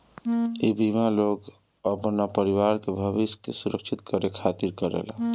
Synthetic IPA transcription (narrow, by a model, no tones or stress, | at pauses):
ibimalok | əpənapəɾiwaɾkebʱəbiskḛsuɾəkt͡ʃʰit̪kəɾekʰat̪iɾkəɾḛl